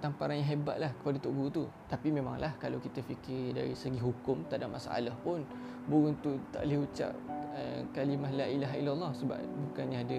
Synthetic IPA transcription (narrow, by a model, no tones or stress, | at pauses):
t̪ampaɾanjãɦeba̰ʔ̪̚lahkə̥padat̪oʔɡut̪ut̪apimẽma̰ŋlahkalawkit̪əfikɪda̰ɾisəɡiɦukʊmt̪aʔdaʔmʔasaʔa̰lahpʊn | buɣʊnt̪ut̪a̰ʔleut͡ʃa̰ʔ̚əkalimahlailaɦilalːɑhsəba̰ʔbukanɲãadə